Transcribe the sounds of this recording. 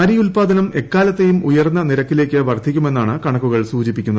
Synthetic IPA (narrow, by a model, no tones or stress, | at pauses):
ɐɾijulpaːd̪ʱɐnɐme̞kːaːlɐt̪ːe̞jumujɐrnːɐniɾɐkːile̞ːkːɨʋɐrd̪ʱikʲːume̞nːaːɳɨkɐɳɐkːuɣɐɭsuːd͡ʑipːikʲːunːɐð